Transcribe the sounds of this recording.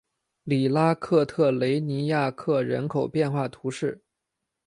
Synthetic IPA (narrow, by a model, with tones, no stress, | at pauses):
li˨˩la˥kʰɤ˥˧t̪ʰɤ˥˩le˧˥ɪni˧˥ja˥˧kʰɤ˥˩ɻə˧˥nkʰo˨˩ʊpjɛ˥˧nxwa˥˩t̪ʰu˧˥ʂɻ̩˥˩